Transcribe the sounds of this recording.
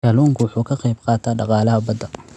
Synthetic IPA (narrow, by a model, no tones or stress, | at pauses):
ɐluːŋkʰʊwʊħuːkʰɐqɛjbqɑːt̪ʰaːɖɑqɑːlɐɦɐbɐd̪ɐ